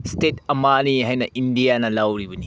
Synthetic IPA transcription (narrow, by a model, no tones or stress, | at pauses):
stetɐmaniɦajnɐʔindijanɐlɐwɾibuni